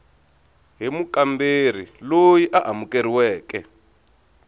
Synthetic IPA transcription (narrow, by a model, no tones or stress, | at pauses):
ɦimukamber̤ilojiʔaʔamukeɾiwɛːkɛ